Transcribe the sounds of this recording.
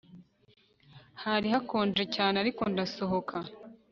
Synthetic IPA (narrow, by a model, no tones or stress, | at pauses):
haɾihako̞ːnd͡ʒe̞caːneaɾiko̞ndaso̞ɦo̞kʰa